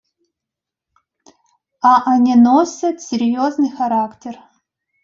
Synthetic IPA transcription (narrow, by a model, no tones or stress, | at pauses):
aʔanʲenosɐt̪sʲɪɾʲjoznɨjxaɾaktʲer